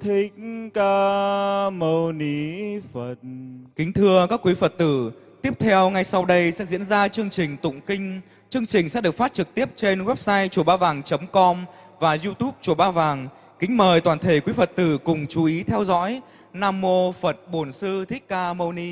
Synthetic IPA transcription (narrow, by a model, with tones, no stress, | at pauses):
t̪ʰi˦k̚kaː˧ | mə˧wni˧˦fə˨˩t̚kï˨˦ŋ̟t̪ʰɨ˧əkaː˦˥kwi˨˦fə˨˩t̚t̪ɨ˧˩ | t̪i˦˥əp̚t̪ʰɛ˧wŋa˧jsa˧wɗə˧jsɛ̰˧˥zḭ˧˥ənzaː˧t͡ɕɨ˧əŋt͡ɕï˨˩ŋ̟t̪ʊ̰˧˨ŋ͡mkï˧ŋ̟ | t͡ɕɨ˧əŋt͡ɕï˨˩ŋ̟sɛ̰˧˥ɗɨ˨˩ək̚faː˦˥t̚t͡ɕɨ˨˩k̚t̪i˦˥əp̚t͡ɕe˧nwɛ˦˥p̚saː˧jt͡ɕu˧˩ɓaː˧vaː˨˩ŋt͡ɕə˨˦mkɔ˧m | vaː˨˩zu˧t̪u˦˥p̚t͡ɕu˧˩ɓaː˧vaː˨˩ŋ | kï˨˦ŋ̟məː˨˩jt̪waː˨˩nt̪ʰe˧˩kwi˨˦fə˨˩t̚t̪ɨ˧˩kʊ˨˩ŋ͡mt͡ɕu˨˦ʔi˨˦t̪ʰɛ˧wzɔ̰˧˥j | naː˧mːo˧fə˨˩t̚ɓo˧˩nsɨ˧t̪ʰi˦˥k̟̚kaː˧mə˧wni˧